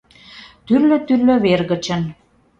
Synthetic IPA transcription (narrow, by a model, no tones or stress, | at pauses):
t̪yrløt̪yrlø̆βerɣə̆t͡ɕə̆n